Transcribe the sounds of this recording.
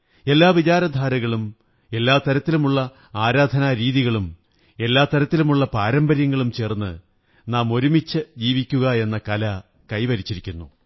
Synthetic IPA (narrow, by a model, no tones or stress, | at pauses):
e̞lːaːʋit͡ɕaːɾɐd̪ʱaːɾɐɣɐɭum | e̞lːaːt̪ɐɾɐt̪ːilumuɭːɐ | aːɾaːd̪ʱɐnaɾiːðiɣɐɭum | e̞lːaːt̪ɐɾɐt̪ːilumuɭːɐpaːɾɐmbɐɾjɐŋːɐɭumt͡ɕe̞ːrnːɨ̰ | naːmo̞ɾumit͡ɕːɨd͡ʑiːʋikʲːuɣɐe̞nːɐkɐlɐ | kɐjʋɐɾit͡ɕːiɾikʲːunːu